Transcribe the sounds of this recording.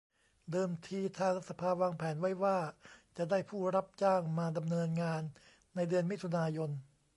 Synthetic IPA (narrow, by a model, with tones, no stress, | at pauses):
dɤː˧mt̪ʰiː˧t̪ʰaː˧ŋla˦˥t̪sa˧pʰaː˧waː˧ŋpʰɛː˩˦nwa˦˥˩jwaː˥˩t͡ɕa˨˩daː˥˩jpʰuː˥˩ɾa˦˥˩p̚t͡ɕaː˥˩ŋmaː˧da˧mnɤː˧nŋaː˧nː | a˧jdɯ˧ənmi˦˥t̪ʰu˧naː˧jo˧n